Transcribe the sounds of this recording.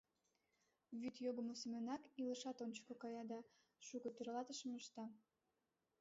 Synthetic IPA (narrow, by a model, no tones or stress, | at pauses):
βyt̪joɣə̆mosemenɑkiləʃɑt̪onʲt͡ɕə̥kokɑjɑd̪ɑ | ʃukɤ̆t̪øɾlɑt̪əʃə̆məʃt̪ɑ